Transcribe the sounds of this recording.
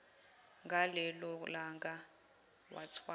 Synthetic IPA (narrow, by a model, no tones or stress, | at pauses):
ŋɡalɛlɔlaŋɡa | wa̰t͡sʰwa